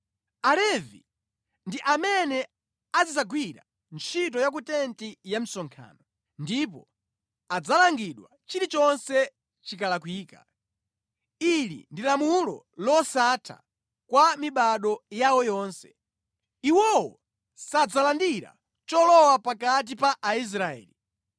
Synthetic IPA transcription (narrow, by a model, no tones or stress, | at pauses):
alɛvḭ | ndiʔamɛnɛ | azizaɡwiɾa̰ | nt͡ʃʰit̬ɔjak̬utɛntijam̩sɔŋkʰa̰ːnɔ | ndip̬ɔ | ad͡zalaŋɡiɗwa̰t͡ʃiɾit͡ʃɔnsɛ | t͡ʃikalakwiːka | ilḭndilamulɔ̰ | lɔsatʰa̰ | kwamiɓaɗɔjawɔjɔːnsɛ̥ | iwɔwɔ | sad͡zalandiɾa̰ | t͡ʃɔlɔwapakat̬ipaʔais̬ɾaɛ̰ːli